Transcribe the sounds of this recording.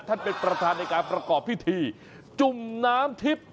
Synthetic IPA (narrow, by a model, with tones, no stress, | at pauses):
t̪ʰa˥˩npe˧npɾa˧t̪ʰaː˧nːa˧jkaː˧npɾa˧kɔː˨˩pʰːi˦˥˩t̪ʰiː˧ | t͡ɕu˨˩mnaː˦˥mt̪ʰi˦˥p̚